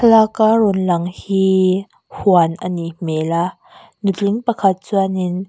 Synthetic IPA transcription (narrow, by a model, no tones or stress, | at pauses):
lakarɔnlɐŋhiː | huanʔanimɛla | nuliŋpakʰat̪̚t͡suanin